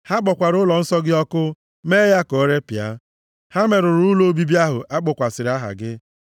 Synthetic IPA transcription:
ha˦ɡ͡bɔ˨kʷa˨ɾʊ˦lɔ˨n̩˦sɔ˦ɡɪ˦ɔ˦kʊ˦ | me˦ja˦ko˨˦ɾe˦pi˨a̰˦ | ha˦me˨ɾʊ˨ɾu˦lo˦bi˦bi˦a˦ɦʊ˨ʔa˦ɡ͡bʊ˨kʷa˨sɪ˨ɾa˦ɦa̰˨ɡɪ˦

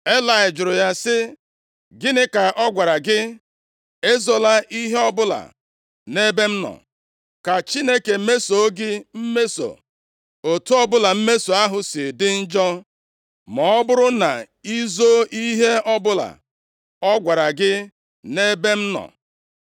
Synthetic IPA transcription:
e˦la˨ɪ˨d͡ʒʊ˨ɾʊ˨ja˦sɪ˦ | ɡɪ˦nɪ˦ka˨ʔɔ˦ɡʷa˨ɾa˨ɡɪ˦ | e˦zɔ˨la˦ʔi˦ɦe˦ɔ˦bʊ˦la̰˨ | ne˦be˦m̩˦nɔ̰˨ | ka˨t͡ʃi˦ne˦ke˨˦me˦so˨˦ɡɪ˦m̩˦me˦so̰˨ | o˨tu˦ɔ˦bʊ˦la˨m̩˦me˦so˨a˦ɦʊ˨sɪ˨dɪ˦n̩˦d͡ʒɔ˦ | mɔ˨ɔ˦bʊ˦ɾʊ˦na̰˨ | i˦zo˦i˦ɦe˦ɔ˦bʊ˦la̰˨ | ɔ˦ɡʷa˨ɾa˨ɡɪ˦ | ne˦be˦m̩˦nɔ̰˨

